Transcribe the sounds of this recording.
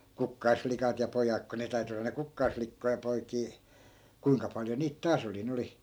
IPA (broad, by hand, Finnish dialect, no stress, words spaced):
kukːɑisflikɑt jɑ pojɑk ko ne tæy̞ty olːɑ ne kukːɑisflikːoi jɑ poikiː kuiŋkɑ pɑljo niːt tɑːs oli nĕ oli